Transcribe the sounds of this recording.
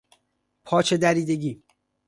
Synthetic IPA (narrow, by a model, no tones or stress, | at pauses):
pʰɒːt͡ʃʰe̞d̪æɾiːd̪eɡiː